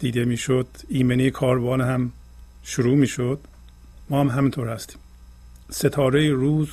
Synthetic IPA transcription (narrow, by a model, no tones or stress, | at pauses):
d̪̥iːd̪e̞miːʃod̪̥iːmenikʰɒːɾbɒːnɦæm | ʃuɾuːmiːʃod̪̥ | mɒːhæmɦæmiːnt̪ʰoɾhæst̪i̥ːm | set̪ʰɒːɾejiɾuːz